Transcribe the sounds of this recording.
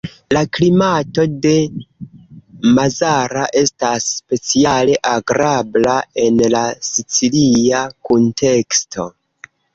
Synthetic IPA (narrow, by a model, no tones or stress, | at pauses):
laklimato̞de̞ | mazaɾaʔe̞stasːpe̞t͡siale̞ʔaɡɾablae̞nlasit͡siliakunte̞ksto̞̰